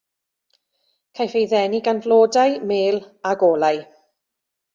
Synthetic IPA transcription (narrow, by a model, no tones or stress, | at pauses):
kʰajfejðɛniɡanvlˠoːdajmeːlˠ | aɡoːlˠaj